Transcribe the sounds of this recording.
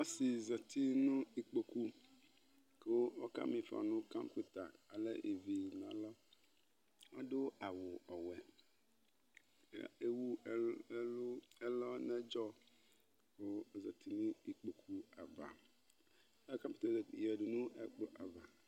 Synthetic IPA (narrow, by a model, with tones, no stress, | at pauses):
wɔ˦si˨zɔ˨t̪ʰi˦nʊ̃˦i˨k͡po˨ku˦ | ko˦wɔ˦ka̰˦mĩ˨fa̰˨nʊ̃˦kã˦mpi˦t̪a˨ka˨lɛ̰˦ʔi˨vi˨n˨ã˨lɔ˦ | wɔ˦dʊ˦a˨wʊ˨ɔ˨wɛ˦˨ | e˦wu˦˨˦lʊ˦ɛ˦lɔ˦nɛ̃˦d͡ʒɔ˦ | ko˦zɔ˨t̪ʰi˦nũ˦i˨k͡po˨kʰu˦a˨va̰˨˦ | ka˦pi˦t̪a˨jɛ˨dʊ˨nũ˦ɛ̰˦k͡po˦ʔa˨va˨